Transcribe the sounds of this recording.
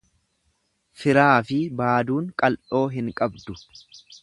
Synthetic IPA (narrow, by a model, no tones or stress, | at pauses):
fɪɾaːfɪbaːd̪uːŋkʼɐlʔo̞ːɦɪŋkʼɐbd̪ʊ